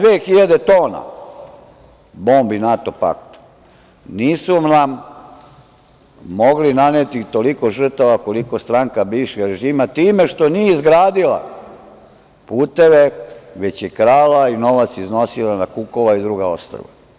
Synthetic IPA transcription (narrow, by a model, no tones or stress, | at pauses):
ʋeːxiʎad̪e̞t̪o̞ːna̰ | bo̞ːmbinat̪o̞pa̰kt̪ | niːsunam | o̞ɡlinanet̪it̪o̞liko̞ʒr̩t̪aʋako̞liko̞st̪ɾaŋkabiʋʃeɡɾe̞ʒiːmat̪iːme̞ʃt̪o̞nijeizɡɾaːd̪ila̰ | puːt̪e̞ʋe̞ʋe̞t͡ɕjekɾaːlaino̞ʋat̪sizno̞silanakuko̞ʋaid̪ɾuɡao̞st̪ɾo̰ʋa̰